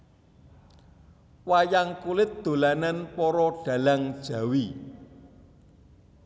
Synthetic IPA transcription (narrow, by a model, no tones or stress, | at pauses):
wajaŋkulɪt̪̚d̪̥o̤lananpɔɾɔɖ̥ä̤laŋd̥ʒ̥a̤wi